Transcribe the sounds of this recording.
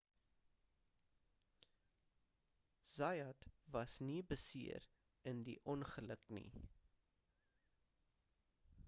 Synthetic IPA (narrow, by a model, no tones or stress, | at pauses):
z̥ɐjɑtvɐsnibəsiəɾ | əndiʔɔnχələknḭ